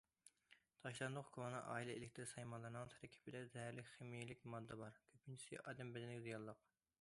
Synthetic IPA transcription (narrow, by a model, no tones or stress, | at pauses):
t̪ʰɑʃlˠɑnd̪ʊqkʰonɨʔɑ̰ːilˠɛḛlɪk̚ʲt̪ʰɪɾɪsɑjmɑnlˠɨɾnɨŋt̪ʰɛɾɪkʲʰi̥pʰɪd̪ɛzɛɦæɾlɪkʲχemijilɪkʲmɑd̪ːɑbɑɾkʲʰøpʰːynt͡ʃʰi̥sɪ̰ʔɑːd̪ɛmbɛd̪ɪnɪkʲzijɑlˠːəq